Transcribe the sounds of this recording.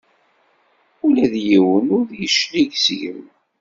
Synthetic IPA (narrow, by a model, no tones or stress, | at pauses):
ulæðjiwənʊɾðjəʃliʝsʝə̰m